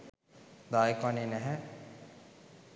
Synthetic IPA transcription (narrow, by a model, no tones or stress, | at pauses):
d̪aːjekʋanenɛɦɛ